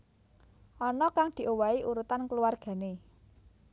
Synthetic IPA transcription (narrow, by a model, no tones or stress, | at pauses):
ʔɔnɔkaŋd̪̥i̤ʔowaiʔuɾut̪ankəluarɡ̥ä̤ne